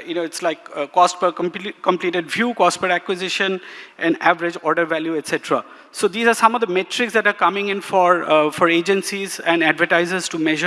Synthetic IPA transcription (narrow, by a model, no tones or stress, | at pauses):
jʊnoːɪʈslaɪkkɔspəkə̃mkə̃mpliːʈeɖʋjuːkɔspəɾækwɪzɪʃə̃nʔɛ̃nɖæʋəɾɪd͡ʒɔːɾɖəɾʋæljuɛʈsɛʈəɾa̰ | soːd̪iːzaːɾsʌ̃mɔʋd̪əmeʈɾɪksd̪ɛʈaɾkʌmɪ̃ŋɪ̃nfɔɾfɔɾeːd͡ʒə̃nsizɛ̃nɖæɖʋəʈaɪzəzʈumɛʒə